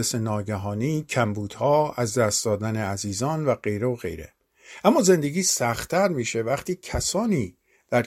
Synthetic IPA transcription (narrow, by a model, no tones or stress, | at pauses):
esenɒːɟæɦɒːniːcʰæmbuːd̪̥hɒːæzd̪æːst̪̚d̪ɒːd̪æne̞æziːzɒːnvæɢe̞jɾeoɣe̞̰jɾḛ | ʔæmːɒːze̞nd̪eɡiːsæxt̪ʰːæɾmiːʃe̞væχt̪ʰiːcʰæsɒːniː | d̪̥æɾ